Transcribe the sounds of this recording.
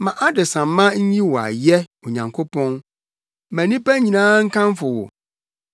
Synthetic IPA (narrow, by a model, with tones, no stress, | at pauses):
mã˨ʔa˦dɪ˨sã˨m˦mːã˦ɲ̩˦ɲĩ˦wɔ˨a̰˨jɛ˦o˨ɲã˨ŋkʰo˦pɔ̃˦n | mæ̃˨nĩ˦pæ˦ɲĩ˨nãː˦ŋ̩˦kʰã˦mfʊ˨wɔ̰˨